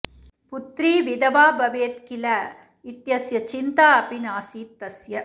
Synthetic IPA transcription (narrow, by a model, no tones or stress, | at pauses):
put̪ɾiːʋid̪ɐʋaːbɐʋeːt̪kilɐ | it̪jɐsjɐt͡ʃint̪aːɐpinaːsiːt̪ːɐsjɐ